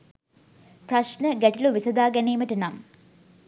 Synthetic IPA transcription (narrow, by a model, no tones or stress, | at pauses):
prɐʂnəɡeʈiluʋisɐd̪aːɡɐneːməʈɐnam